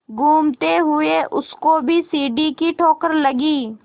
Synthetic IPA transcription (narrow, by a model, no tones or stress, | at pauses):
ɡʱuːmt̪eɦʊeʔʊskobʱisiːɖikiʈʰoːkəɾlɐɡiː